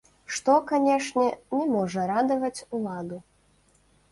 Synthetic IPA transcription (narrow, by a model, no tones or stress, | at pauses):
ʂt̪ɔkanʲɛʂnʲɛnʲɛmɔʐɐɾad̪ɐvɐt͡sʲulˠad̪u